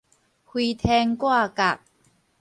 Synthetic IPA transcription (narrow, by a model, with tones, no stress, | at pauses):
hwi˧t̪ʰɛ˧ŋkwa˥˧ka˨˩k̚